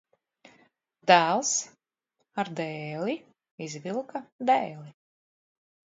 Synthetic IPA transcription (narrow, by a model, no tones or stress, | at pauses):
d̪æːlˠs | aɾd̪ɛːlʲi | izvʲilˠkad̪ɛːlˠi